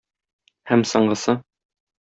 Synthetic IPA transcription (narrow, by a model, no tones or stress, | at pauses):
hæmsɤ̆ɴɢɤ̆sɤ